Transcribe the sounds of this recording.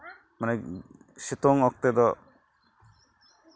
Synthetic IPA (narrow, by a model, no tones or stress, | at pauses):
mana | sit̪ɔŋɔk̚t̪ɛd̪ɔ